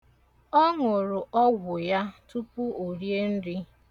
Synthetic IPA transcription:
ɔ˦ŋʊ˨ɾʊ˨ʔɔ˦ɡʷʊ˨ja˦tu˦pu˦o˨ɾje˦n̩˦dɪ˦

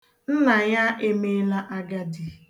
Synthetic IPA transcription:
n̩˦na˨ja˦ʔe˦me˦la˦ʔa˦ɡa˦di˨

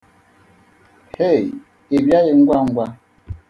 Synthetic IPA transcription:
he˦˨ | e˨bja˦je˨ŋ̩˦ɡwa˦ŋ̩˦ɡwa˦

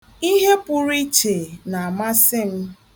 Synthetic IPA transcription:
i˦ɦe˦pʊ˨ɾi˦t͡ʃe˨na˨a˨ma˦sɪ˦m̩˦

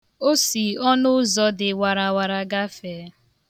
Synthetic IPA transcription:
o˦si˨ɔ˦nʊ˦zɔ˨dɪ˨wa˨ɾa˨wa˨ɾa˨ɡa˦fe˨˦

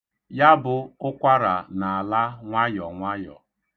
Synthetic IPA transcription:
ja˦bʊ˨ʊ˦kʷa˦ɾa̰˨na˨a˨la˦ŋʷa˦jɔ˨ŋʷa˦jɔ̰˨

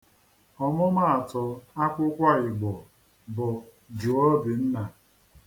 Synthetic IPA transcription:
ɔ˨mʊ˦ma˦a˨tɔ˨a˦kʷʊ˦kʷa˦ɪ˨ɡ͡bɔ˨ | bʊ˨ | d͡ʒi˨ɔ˦bi˨n̩˦na˨

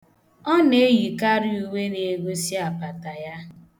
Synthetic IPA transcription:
ɔ˦ne˨˦ji˨ka˦ɾɪ˦u˨we˦ne˨e˨ɡo˦si˦a˨pa˨ta˨ja˦

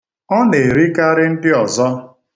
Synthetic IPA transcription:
ɔ˦ne˨ɾi˦ka˦ɾɪ˦n̩˦dɪ˦ɔ˨zɔ˦

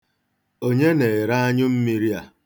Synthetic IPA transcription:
o˦ɲe˦ne˨ɪ˨ɾa˦a˦ɲʊ˦m̩˦mi˦ɾi˦a˨

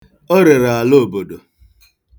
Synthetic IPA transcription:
ɔ˦ɾe˨ɾa˨a˨lo˦o˨bo˨do˨

